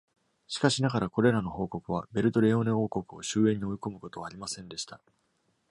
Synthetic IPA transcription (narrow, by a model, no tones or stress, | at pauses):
ɕi̥kaɕinaɣaɾako̞ɾe̞ɾano̞ho̞ːko̞kɯ̟βa̰be̞ɾɯ̟t̪o̞ɾeːo̞neo̞ːko̞kɯo̞ɕɨːẽ̞ɲ̟ːio̞iko̞mɯ̟ko̞t̪o̞βaːɾʲimasẽ̞nd̪e̞ɕi̥t̪a